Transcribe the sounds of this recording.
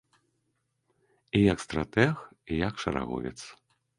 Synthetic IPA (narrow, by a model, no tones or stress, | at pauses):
ijɐkst̪ɾat̪ɛxijakʂɐɾa̰ɣɔ̰vʲɛ̰t̪s